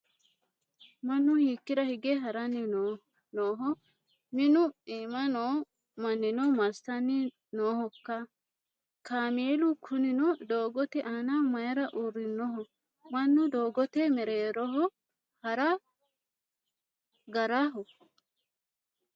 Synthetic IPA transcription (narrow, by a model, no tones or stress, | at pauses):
mɐnːʊhiːkːɪɾɐhɪɡeɦɐɾɐnːɪnː | noːɦɔ | mɪnʊiːmɐnoː | mɐnːɪnɔmɐɾst̪ɐnːɪ | noːhɔkːɐ | kaːmeːlʊkʰʊnɪnɔd̪oːɡɔt̪ɛʔaːnamɐjɐɾɐʔuɾːɪnːɔɦɔ | mɐnːʊd̪oːɡɔt̪ɛmɛɾeːɾɔɦɔ | hɐɾɐ | ɡɐɾaɦɔ